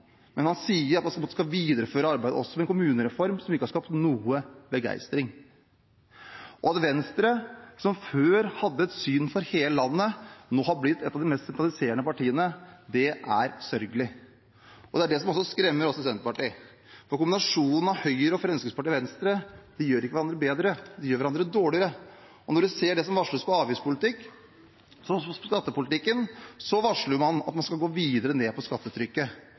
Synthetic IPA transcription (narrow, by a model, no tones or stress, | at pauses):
mɛnhɑnsiːəɾɑt̪mɑnskɑʋiːd̪əɾəføːɾəɑɾbæɪd̪ə̰ɔsːɔmɛnkʰʊmʉːnəɾɛfɔɾmsɔmɪkːəhɑɾʂkɑːpt̪nuːəbəɡæ̰ɪst̪ɾɪŋ | ʔɔɑt̪ʋɛnst̪ɾəsɔmføːɾhɑd̪ːəɛt̪syːnfɔɾheːləlɑnːənoːhɑɾblɪt̪ʰːɛt̪ːɑʋd̪ɪmɛst̪sɛnt̪ɾɑlɪseːɾəɳəpɑʈʰiːənəd̪ɛʔæɾsœɾɡəlɪ | ʔɔd̪ɛæɖɛsɔmɔsːɔskɾɛmːəɾɔsːɔsɛnt̪əpɑʈiː | fɔɾkʊmbɪnɑʂuːnn̩ɑhœʏəɾəɔfɾɛnskəɪŋspʰɑʈiːʋɛnst̪ɾəd̪̥ɛjøːɾɪkəʋæɑnd̪ɾəbeːd̪ɾəd̪ɛjøːɾʋæɾɑnd̪ɾəd̪oːɭɪəɾə | ɔnɔɖʉseːɖɛsɔmʋɑʂɭəspɔɑːʋiːspʰʊlɪt̪ɪkː | sɔɔskɑt̪ːəpʊlɪt̪ɪkːənsɔʋɑʂɭəmɑnɑ̰t̪mɑnskɑlɡoːʋiːd̪əɾəneːpʰɔskɑt̪ːət̪ʰɾʏkːə